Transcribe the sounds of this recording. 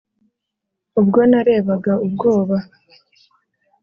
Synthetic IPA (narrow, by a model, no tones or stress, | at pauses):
ubɡo̞naɾe̞ːβaɡaubɡo̞ːβa